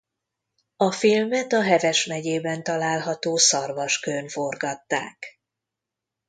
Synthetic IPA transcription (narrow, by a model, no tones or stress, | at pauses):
ɒfilmɛt̪ɒɦɛvɛʃmɛɟeːbɛnt̪ɒlaːlɦɒt̪oːsɒrvɒʃkønfo̞rɡɒt̪ːa̰ːk